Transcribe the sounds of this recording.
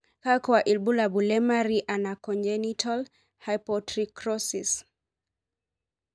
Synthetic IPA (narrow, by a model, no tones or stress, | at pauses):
kakɔaʔilbulabulɛmaɾiʔanakɔnd͡ʒɛnitʰal | hajpɔtɾikɾɔsis